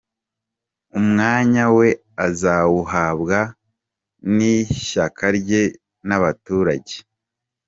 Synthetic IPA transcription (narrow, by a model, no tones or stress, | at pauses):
umŋaːɲawe̞ | azawuɦaːbɡa | niʃakʰaɾɟe̞ | naβatuːɾaɟe̞